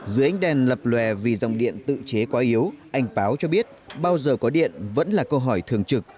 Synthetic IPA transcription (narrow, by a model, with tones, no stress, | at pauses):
zɨ˨˦ʔa˧˦ŋ̟ɗɛ˨˩nlə˨˩p̚lwɛ˨˩vi˨˩za˨˩wŋ͡mɗḭ˧˨ənt̪ɨ̰˧˨t͡ɕe˨˦kwaː˨˦ʔi˨˦əwʔa˧jŋ̟paː˨˦wt͡ɕɔ˧ɓi˦˥ət̚ɓaː˧wzəː˨˩kɔ˨˦ɗḭ˧˨ənvə̰˧˥nlaː˨˩kə˧wɦɔ˧˩jt̪ʰɨ˨˩əŋt͡ɕɨ˨˩k̚